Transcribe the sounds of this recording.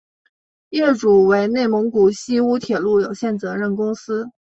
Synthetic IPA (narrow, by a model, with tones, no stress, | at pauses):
jɛ˥˩ʈ͡ʂu˨˩we˧˥ɪne˥˩ɪmɤ˧˥ŋku˨˩ɕi˥u˥t̪ʰjɛ˨˩lu˥˩jo˨˩ʊɕjɛ˥˩nt͡sɤ˧˥ɻə˥˩nkʊ˥ŋsɹ̩˥